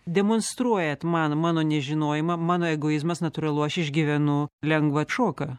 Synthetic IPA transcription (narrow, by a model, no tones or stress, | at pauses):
d̪ʲɛmoːnst̪ɾuɔjɛt̪mɐnmɑːnoːnʲɛʒʲɪnoːjɪmɐmɑːnoːɛɡoːɪzmɐsnɐt̪ʊɾɐlˠʊɐʃɪʒʲɡʲiʋʲɛnʊlʲɛŋɡʋɐʃoːkɐ